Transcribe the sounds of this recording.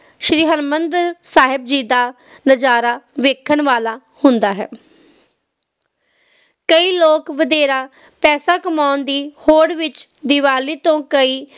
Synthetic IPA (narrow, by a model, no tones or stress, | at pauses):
ʃɾiːɦənmənd̪ɾsaːɦɪb̚d͡ʒiːd̪aː | nəd͡ʒaːɾaːʋeːkʰənʋaːlaː | hʊnd̪aːɦɛ̰ː | kəiːloːkʋəd̪eːɾaː | pɛːsaːkəmaːnd̪iːhoːɽʋɪt͡ʃd̪ɪʋaːliːt̪õːkəiː